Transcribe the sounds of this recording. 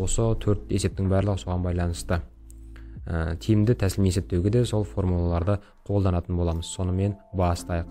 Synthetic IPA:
wo̞sət̪ʰɵɾt̪e̞se̞pt̪ɪŋbæɾlˠəʁəso̞ʁɑnbɑjlˠɑnəst̪ə | ət̪ʰijmd̪ɪt̪ʰæsɪlmijese̞p̚t̪ewɡʲed̪e̞so̞lˠfo̞rmulˠalˠɑɾd̪ə | qʰo̞lˠd̪ɑnɑt̪ənbolˠɑməz̥so̞nəme̞nbɑst̪ɑjəq

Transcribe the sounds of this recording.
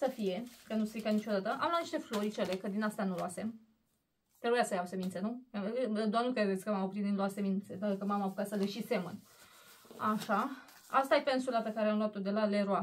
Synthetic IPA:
səfije̞kənusɾikanit͡ʃoad̪at̪əʔa̰mlwat̪niʃt̪eflo̞ɾit͡ʃele̞kəd̪inast̪anuloase̞m | t̪ɾebujasəjawsemint̪se̞nuad̪anukɾe̞d̪et̪sʲkəmamopɾit̪ninloase̞mint̪se̞d̪əkəmamaapukat̪səleʃise̞mən | aʃa | a̰st̪ajepensulape̞kaɾeamlowat̪od̪e̞laleɾoa

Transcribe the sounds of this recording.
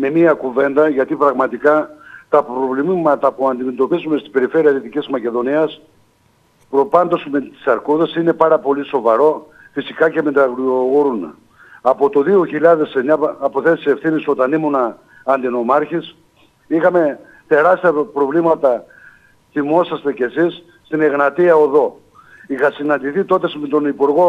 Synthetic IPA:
me̞miɐkuve̞nd̪ɐʝɐt̪ipɾɐɣmɐt̪ikɐt̪ɐpɾo̞vlimmɐt̪ɐpuɐnd̪ime̞t̪o̞pizume̞st̪ibe̞ɾife̞ɾiɐðit̪icizmɐce̞ðo̞niɐs | pɾo̞pɐnd̪o̞smet̪i̥sɐɾkuðesine̞pɐɾɐpo̞liso̞vɐɾo̞ | fisikɐce̞met̪ɐɣɾioɣoɾun | ɐpo̞t̪oðioçiʎɐðe̞seɲɐːpo̞θe̞t̪sie̞fθiniso̞t̪ɐnimunɐː | nd̪ino̞mɐɾçis | ixɐme̞ | t̪e̞ɾɐst̪iɐpɾo̞vlimɐt̪ɐ | θimo̞sɐst̪e̞ce̞sisːt̪ine̞ɣnɐt̪iɐo̞ðo̞ | ixɐsinɐnd̪iθit̪o̞t̪esmet̪onipuɾɣo̞

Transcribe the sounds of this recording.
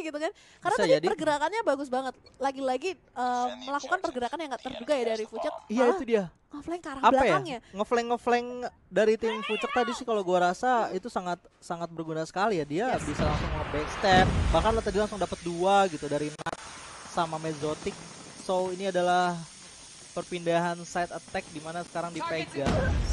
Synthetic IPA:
ɡit̪ukan | karnaad͡ʒdiadiərɡəɾakanɲabaɡʊs̬baŋət̪̚laɡilaɡi | əəlakukanpərɡəɾakanjaŋɡaʔt̪ərduɡajadaaɾifut͡ʃərijaitt̪udia | ŋəflɛŋkaɾaŋablapajaŋɲaŋəflɛŋːəflɛŋ | daɾit̪ɪmfut͡ʃər̚t̪adisɪhkaloɡuaɾasait̪usaŋat̪̚saŋat̪̚bərɡunasə̥kalijadiabisalaŋsʊŋaɦabɛkst̪ɛrbahkanlaht̪adilaŋsʊŋdapət̪̚duaɡit̪udaɾinat̪̚ | samamezot̪ɪk̚ | soiniadalah | pərpindaɦansajt̪ət̪ɛk̚dimanasə̥kaɾaŋdipeɡa

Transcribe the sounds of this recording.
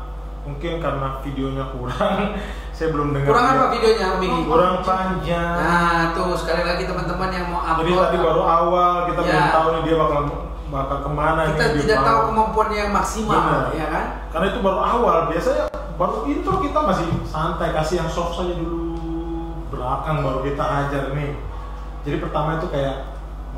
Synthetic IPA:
muŋkɪnkarənafideoɲakuɾaŋ | sajabəlʊmdəŋuɾaŋaafidioɲabiɡit̪uɾaŋpaɲd͡ʒaŋt̪ʊskalalaɡit̪əmant̪əmanjaŋmawad͡ʒaditt̪adibaɾuawalkit̪amt̪aunidiabakal | bakalkəmanaiadidaat̪aukəmampuanɲajaŋmaksimaəlnaljakan | kaɾənait̪ubaɾuawalbiasaɲa | baɾuit̪ukit̪amasɪhsant̪ajkasijaŋsɔksad͡ʒadulu | bəɾakaŋbaɾukit̪aʔːd͡ʒarnɪh | d͡ʒadipərt̪amait̪ukajaʔ

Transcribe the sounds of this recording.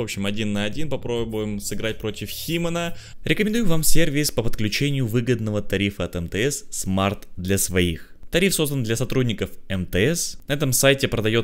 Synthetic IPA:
vo̞pɕːɪmɐdʲinːəɐdʲinpɐpɾobʊjɪmsɨɡɾat̚ʲpɾo̞tʲɪfxʲimənəɾʲɪkəmʲɪnd̪ujʊvamsʲervʲɪspəpət̪̚klʲʉt͡ɕenʲɪjʊvɨɡəd̪nəvət̪ɐɾʲifəɐt̪ɛmt̪əɛsːmart̪d̪lʲɐsvɐḭxt̪ɐɾʲifso̞zd̪ənd̪lʲɐsɐt̪ɾudʲnʲɪkəfɛmt̪ɛɛsnɐɛt̪əmsajtʲɪpɾəd̪ɐjo̞t̪

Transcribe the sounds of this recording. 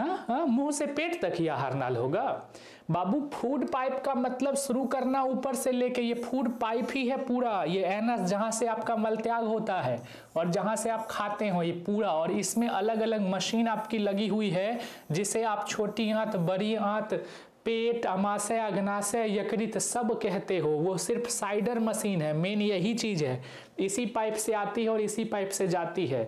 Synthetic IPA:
ɦãɦãmũːsepeːʈt̪ɐkɦija̰ːɦa̰ːɾna̰ːlɦoːɡaː | baːbupʰuːɖpaːɪpkamɐt̪ləbʃʊɾukɐɾnauːpəɾseleːkejepʰuːɖpaːɪpɦiɦɛpuːɾajeɛːnəsd͡ʒɐɦãseaːpkamɐlt̪jaːɡɦoːt̪aɦɛː | ɔːɾd͡ʒɐɦãseaːp̚kʰaːt̪eɦõjepuːɾaɔːɾɪsmẽʔɐləɡɐləɡmɐʃiːnaːpkilɐɡiɦuiɦɛ | d͡ʒɪseaːpt͡ʃʰoːʈiãːt̪ʰbɐɾiãːt̪ʰ | peːʈɐmaːsəɐɡnaːsejɐkɾɪt̪sɐbkɛɦt̪eɦoʋosɪɾpʰsaːɪɖəɾmɐsiːnɦɛːmeːnjɐɦit͡ʃiːd͡ʒɦɛː | ɪsipaːɪpʰseaːt̪iɦɛɔːɾɪsipaːɪpʰsed͡ʒaːt̪iɦɛː

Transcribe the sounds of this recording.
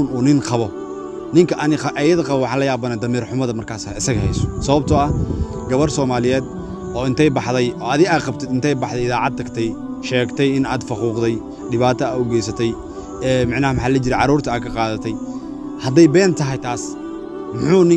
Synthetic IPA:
nuːnɪŋqɑβɔ | nɪŋkʰɐʔɐnɪʔɐjɐðɐqɑβɔwɑħɑːnlɐjaːbɐnad̪ɐmiːrħʊmɐðɐmɐrkʰaːsaɪsɐɣɐhɛ̰jsɔ̥sɐβɐb̚t̪ʰɔɐ | ɡɐβɐrsɔːmaːlɪjɛːd̪ | ʔɔːɪnt̪ʰɛjbɑħðɛjɔːaːðɪɣaːd̪̚qɑbt̪ʰɪd̪ɪnt̪ʰɛjbɑħd̪ɛjɪðaːʕɑd̪̚t̪ʰːɐɡt̪ʰɛj | ʃɛːɡt̪ʰɛjɪnaːd̪fɑquːqd̪ɛj | ɖɪβaːt̪ʰɐaːɔɡɛjsɐt̪ʰɛj | ɛːmɪʕnaːhmħaːlɐt͡ʃɪɾɛjʕɑɾuːrt̪ʰɐaːd̪kʰɐqɑːðɐt̪ʰɛj | hɐd̪ɛjbɛːnt̪ʰɐɦɛjt̪ʰaːs | mʊħuːnɪ

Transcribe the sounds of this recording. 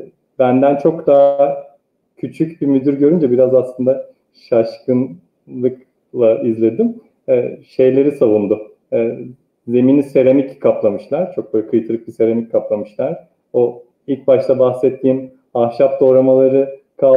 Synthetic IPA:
bænd̪ænt͡ʃʰo̞kd̪a | cʰyt͡ʃʰycbimyd̪yɾɟø̞ɾynd͡ʒɛbiɾazaslˠɯnd̪a | ʃaʃkɯn | lˠɯk | lˠaizlʲe̞d̪im | ɛʃe̞jlʲe̞ɾisavund̪ʊ | ze̞minise̞ɾemickʰaplˠamɯʃlˠaɾ̥t͡ʃʰo̞k̚bølʲɛkʰɯjt̪ʰɯɾˠɯk̚bise̞ɾemic̚kʰːaplˠamɯʃlˠaɾ̥ | o | ilʲc̚baʃt̪ˠabaxsɛt̪ʰːiːm | aʃapd̪o̞ːɾamalˠaɾɯ | kʰa

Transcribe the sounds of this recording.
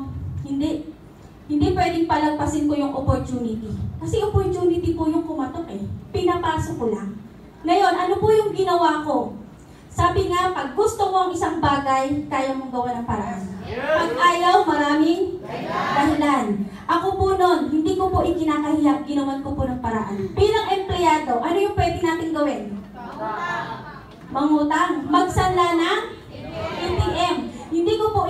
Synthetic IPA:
hɪnd̪i | hɪnd̪ipwɛːd̪ɪŋpɐlɐɡ̚pɐsɪnkojʊŋʔopoɹt̪uːnɪt̪ɪkɐsɛʔopoɹt͡ʃ̪uːnɪt̪ɪpʊjʊŋkʊmɐt̪ok̚ʔɛpɪnɐpaːsokolaŋ | ŋɐjo̞nʔɐnopʊjʊŋɡɪnɐwaːko̞ | saːbɪŋapɐɡ̚ːʊst̪omoʔɐŋʔɪsaŋbaːɡajkaːjɐwmʊŋɡɐwanɐŋpɐɾɐhanpɐɡ̚ʔaːjɐwmɐɾaːmɪŋd̪ɐɦɪlan | ʔɐkopono̞nhɪnd̪iːkopoʔɪkɪnaːkɐhɪjap̚ɡɪnɐwankoponɐŋpɐɾɐ̰ʔa̰nbiːlɐŋʔɛmplɛjaːd̪o̞ʔɐnojʊŋpwɛːd̪ɪnaːt̪ɪŋɡɐwɛn | mɐŋuːt̪aŋmɐɡ̚sɐnlanɐŋ | ʔɪt̪ɪɡʔɛmhɪnd̪iːkopo

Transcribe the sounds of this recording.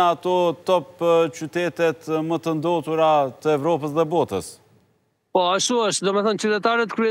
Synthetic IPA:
at̪ɔt̪ɔpt͡ʃyt̪ɛt̪ɛt̪mət̪ənd̪ɔt̪uɾat̪əɛvɾɔpəsðɛbɔt̪əs | pɔaʃuəʃt̪̚d̪ɔmɛθɔnt͡ʃət̪ɛt̪aɾɛt̪kɾyɛ

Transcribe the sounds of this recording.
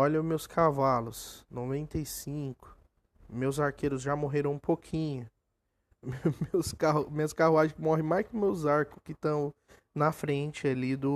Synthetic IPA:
ɔʎɐmewskʰavalʊsnovẽnt̪ejsĩkʊ̥ | mewzaɾkʰeɾʊzʒamoɦeɾɐ̃w̃ũpokʰĩɲʊ | memewskameɐskaɦuaʒẽkmɔɦẽj̃majskɪʊmewzaɾkʊ̥skɪt̪ɐ̃w̃ | nɐfɾẽt͡ʃɪalid̪ʊ

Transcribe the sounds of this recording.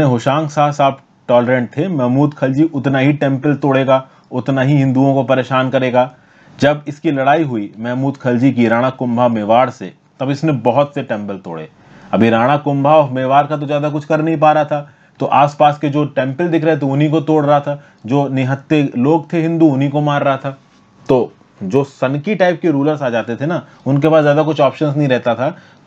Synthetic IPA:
eɦoːʃãːŋɡsaːsaːb | ʈɔːləɾɛ̃ːɳʈ̚t̪ʰemɛːmuːd̪kʰɐld͡ʒiʔʊt̪naɦiʈɛ̃ːmpəlt̪oːɽeːɡaː | ʊt̪naɦiɦɪ̃nd̪uõkopɐɾeːʃaːnkɐɾeːɡaː | d͡ʒɐbɪskilɐɽaːiɦʊimɛːmuːd̪kʰɐld͡ʒik̬iɾaːɽ̃akʊ̃mbʱameːʋaːɾsḛ | t̪ɐbɪsnebɐɦʊt̪seʈɛ̃ːmpəlt̪o̰ːɽḛː | ɐbʱiɾaːɽ̃akʊ̃mbʱaɔːɾmeːʋaːɾkat̪̬ozjaːd̪ak̬ʊt͡ʃʰkɐɾnɐɦĩp̬aːɾɐat̪ʰaː | t̪oʔaːspaːsked͡ʒoːʈɛ̃ːmpəld̪ɪkʰɾəɦɛt̪̬oʊnikot̪oːɽɾɐɦat̪ʰaː | d͡ʒoːnɪɦət̪ːeloːɡt̪ʰeɦɪ̃nd̪uʊnɦikomaːɾːɐɦat̪ʰaː | t̪oː | d͡ʒoːsɐnkiʈaːɪp̚keɾuːləɾsaːd͡ʒaːt̪et̪ʰena | ʊnk̬epaːszjaːd̪akʊt͡ʃʰaːpʃəns̬nɐɦĩɾɛɦt̪at̪ʰaː

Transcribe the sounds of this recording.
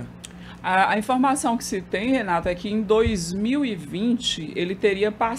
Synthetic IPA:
aɐĩfoɾmasɐ̃w̃kɪ̥sɪt̪ẽj̃henat̪ʊɛkɪẽj̃d̪ojzmiwivĩt͡ʃɪʔelɪt̪eɾiɐpa

